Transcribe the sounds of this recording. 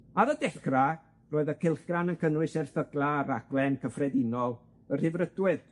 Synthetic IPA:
aɾədɛkra | roːɨðəkʰɪlˠɬɡ̥ranənkʰənwɨsɛrθəɡlˠaraɡ̥lɛnkʰəfrɛdɪnɔlˠ | ər̥ɪvrədwɨð

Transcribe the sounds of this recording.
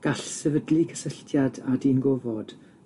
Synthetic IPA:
ɡ̥aɬsɛvədlikʰə̥səɬtʰjadadinɡovɔd̥

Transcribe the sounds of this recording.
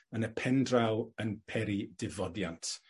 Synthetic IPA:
ənəpʰɛndrawənpʰɛɾidɪvɔdjantʰ

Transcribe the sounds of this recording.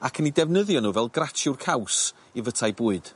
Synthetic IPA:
akʰənidɛvnəðjɔnuːvɛlˠɡrat͡ʃʰɪwrkʰaws | ivətʰajbuːɨd̥

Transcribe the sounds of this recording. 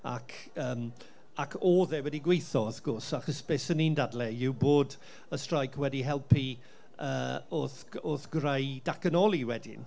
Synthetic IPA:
a̰kʰ | əːm | akʰoːðɛwɛdiɡwejθɔəfɡ̥ʊrsaχɔsb̥eːsəniːndadlˠɛɪwboːd | əstrajkʰwɛdiɦɛlˠpʰi | ə̰ːoθ | oθɡrajdakənɔlˠiwɛdɪ̰n

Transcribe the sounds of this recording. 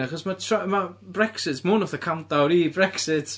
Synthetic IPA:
aχɔsmatʰramabrɛksɪtmʊnɔθəkʰantawɾiːbrɛksɪtʰ

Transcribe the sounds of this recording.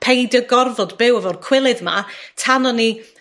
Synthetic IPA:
pʰejdəɡɔrvɔdbɪwəvɔrkʰw̥ɪlˠɨðma̰tʰanɔni

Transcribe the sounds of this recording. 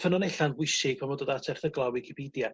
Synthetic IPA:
fʰənɔnejɬanwʊsɪpʰɔmɔdodatʰɛrθəɡlˠawikʰɪpʰidja

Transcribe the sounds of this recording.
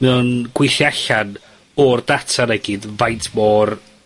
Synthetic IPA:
mɛunɡ̥wɪɬjaɬan | ɔrdatʰaɾɛɡɪdvajtʰmɔːr

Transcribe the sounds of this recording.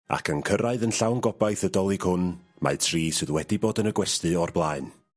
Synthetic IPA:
a̰kʰənkʰəɾaɨðənɬawnɡɔbajθədɔlˠiɡhʊnma̰ɨtʰriːsɨðwɛdiboːdənəɡwɛstɨɔrblˠaɨn

